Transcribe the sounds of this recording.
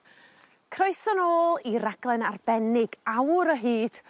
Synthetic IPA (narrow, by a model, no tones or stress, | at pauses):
kʰrɔjsənoːlˠiɾaɡlˠɛnarbɛnɪɡawɾəɦiːd̥